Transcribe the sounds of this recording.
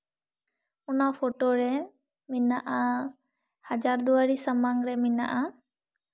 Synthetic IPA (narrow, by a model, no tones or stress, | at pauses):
unapʰoʈoɾɛ | minaʔa | had͡ʒaɾd̪uwaɾisəmaŋɾɛmina̰ʔa